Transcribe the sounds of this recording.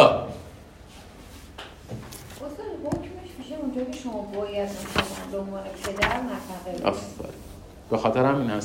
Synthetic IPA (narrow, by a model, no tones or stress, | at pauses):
ʔost̪ɒːd̪ɦocʰmeʃmiːʃeund͡ʒɒːkʲʰeʃomɒːbɒːjæd̪unʃomanbeõnvɒːnepʰed̪æɾmæfæʁea̰ffæ̰ɾ | b̥exɒːt̪eɾhæmiːnhæs